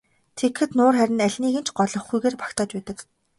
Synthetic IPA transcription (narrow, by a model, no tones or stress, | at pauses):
t̪ʰekxɘ̆t̪nʊːrχæɾʲɪ̆næɮʲniːɣɘ̆nt͡ɕʰɢɔɮɞ̆χɡujɣeːrpḁkt̪ʰaːt͡ɕpæːt̪ə̆k